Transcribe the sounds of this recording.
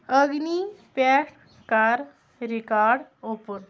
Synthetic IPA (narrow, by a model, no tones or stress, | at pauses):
əɡnipɛːʈ | kaɾ | ɾikaːɾɖopəɾ